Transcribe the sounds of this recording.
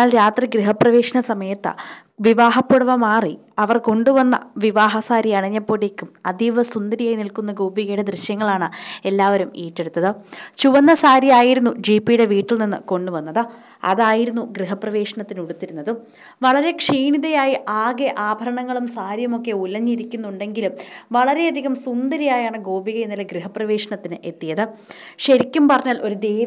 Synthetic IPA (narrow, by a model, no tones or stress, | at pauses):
aːlɾaːt̪riɡriɦɐprɐʋe̞ːʂɐɳɐsɐmɐjɐt̪ːɐ̰ | ʋiʋaːɦɐpːuɽɐʋɐmaːri | ɐʋɐrko̞ɳɖuʋɐnːɐ̰ʋiʋaːɦɐsaːɾiɐɳɐɲːɐpːoːɽekʲːumɐd̪iʋɐsund̪ɐɾijaːjnilkunːɐɡuːbiɣɐjuɽed̪riɕjɐŋːɐɭaːɳɨe̞lːaːʋɐɾumiːʈːe̞ɽut̪ːɐðɨt͡ɕuʋɐnːɐsaːɾijaːjiɾunːud͡ʑiːpːijuɽe̞ʋiːʈːilninːɨko̞ɳɖuʋɐnːɐðɨ | ɐ̰ðaːjiɾunːuɡriɦɐprɐʋe̞ːʂɐɳɐt̪ːinuɽut̪ːiɾunːɐðɨ | ʋɐɭɐɾe̞kʂiːɳiðɐjaːjiʔaːɡeʔaːbʱɐɾɐɳɐŋːɐɭumsaːɾjɐmo̞kːe̞ulɐɲːiɾikʲːunːuɳɖe̞ŋɡilumʋɐɭɐɾe̞ɐd̪ʱiɣɐmsund̪ɐɾijaːjaːɳɨɡo̞ːbiɣɐjenːileɡriɦɐprɐʋe̞ːʂɐɳɐt̪ːinɨʔe̞t̪ːijɐðɨ | ɕɐɾikʲːumpɐrɐɲːaːlʔo̞ɾud̪eː